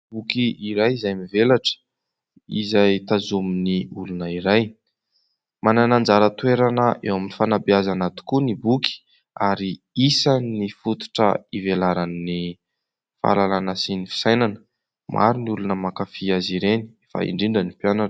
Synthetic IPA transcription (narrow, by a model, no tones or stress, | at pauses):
bukiiɾajizajmivelaʈ͡ʂə̥ | ḭzajt̪azuminiulunəiɾaj | mananand͡zaɾət̪weɾanəʔḛwaminifanabiazanat̪u̥kunibuki̥ | aɾi | isannifut̪u̥ʈ͡ʂə̰ivelaɾanni | fa̰lalanəsinifi̥sajnanə | mʔa̰ɾuniulunəmakafiaziɾeni̥efa̰ḭɳɖ͡ʐiɳɖ͡ʐənipjanaʈ͡ʂə̥